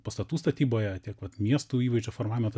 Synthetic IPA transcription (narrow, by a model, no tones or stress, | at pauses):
pɐst̪ɐt̪uːst̪ɐt̪ʲiːboːjɛt̪ʲiɛkʋɐt̪mʲiɛst̪uːiːʋɐɪʒd͡ʒʲoːfoːɾmɑːʋʲɪmɐt̪